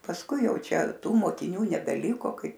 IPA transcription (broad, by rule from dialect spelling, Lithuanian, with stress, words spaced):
pɐsˈkʊɪ ˈjɛʊ ˈt͡ʃʲɛ ˈtuː moːkʲɪˈnʲuː nʲɛbʲɛˈlʲɪkoː ˈkɐɪ